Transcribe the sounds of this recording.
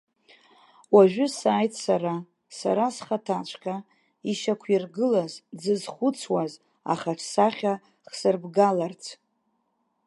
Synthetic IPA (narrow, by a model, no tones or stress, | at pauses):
waʒᶣʏsaːjtʼʰsaɾa | sa̰ɾasχatʰat͡ʃʷʰkʰʼa | iʃakʷʰirɡɨlazd͡zɨzχʷʊt͡sʰwaz | a̰χaʈ͡ʂʰsaχʲa | χsɨrbɡalart͡sʰ